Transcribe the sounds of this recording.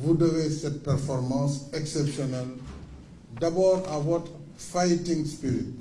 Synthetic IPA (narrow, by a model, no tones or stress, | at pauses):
vudawestet̚pɛɾfɔɾmãnsɛksɛpʃɔnal | dabɔawɔt | fajtĩŋspiɾit̚